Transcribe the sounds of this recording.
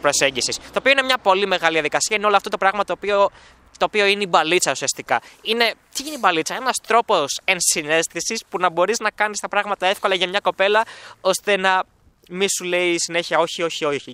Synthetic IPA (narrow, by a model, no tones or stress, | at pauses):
pɾose̞ɲɟisist̪o̞ːpio̞ine̞mɲɐpo̞lime̞ɣɐliðiɐðikɐsiɐineoloɐft̪ot̪o̞pɾɐɣmɐt̪opio | t̪o̞ːpio̞ineibɐlit͡sɐusiɐst̪ikɐine̞t̪iiniibɐlit͡sɐe̞nɐst̪ɾo̞po̞se̞nsine̞st̪isispunɐbo̞ɾiznɐkɐnist̪ɐpɾɐɣmɐt̪ɐe̞fko̞lɐʝɐmɲɐko̞pe̞lɐo̞st̪e̞nɐ | misule̞isine̞çiɐo̞çio̞çioi